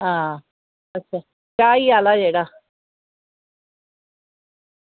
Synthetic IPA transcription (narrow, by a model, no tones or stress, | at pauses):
ɦã | ətːɕʰa | kaialad͡ʒeɽa